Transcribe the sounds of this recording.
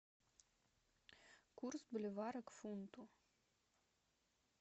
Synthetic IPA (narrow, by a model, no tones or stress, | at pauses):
kursblʲivaɾəkfunt̪u